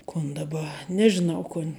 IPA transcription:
kʊn dɐˈbɐ nʲɛʒʲɪˈnɐʊ ˈkʊnʲ

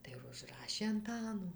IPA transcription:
tɐɪ ʋʊʒˈrɑːʃʲeː ɐnˈtɑːnoː

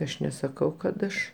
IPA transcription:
ˈɐʃ nʲɛsɐˈkɐʊ kɐt ˈɐʃ

